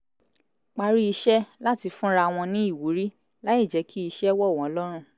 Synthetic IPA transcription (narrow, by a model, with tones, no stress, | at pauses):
k͡pa˧ɾi˦i˧ʃɛ˦la˦ti˧fũ˦ɾa˧w̃ɔ̃˧nĩ˦i˦˨wu˨˦ɾi˦ | la˦i˦˨d͡ʒɛ˨˦kʰi˦i˧ʃɛ˦wɔ˦˨w̃ɔ̃˨˦lɔ˦ɾ̃ũ˦˨